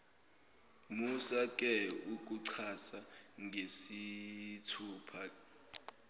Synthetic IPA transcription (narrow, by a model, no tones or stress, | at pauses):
musakʼɛuk̬ʼuǀʰasaŋʱesitʰuːpʰa